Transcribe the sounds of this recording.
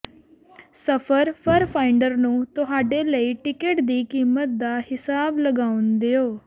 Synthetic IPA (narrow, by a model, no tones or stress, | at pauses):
səpʰəɾpʰəɾpʰaːɪɳɖəɾnũːt̪ʊɦaːɖeːləiːʈɪkəʈd̪iːkiːmət̪̚d̪aːhɪsaːbləɡaːʊnd̪eːoː